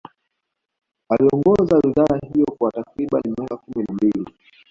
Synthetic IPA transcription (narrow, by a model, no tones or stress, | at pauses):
aliɔŋɡɔzawiðaːhijɔkwatakɾiɓa̰nimakakuminambili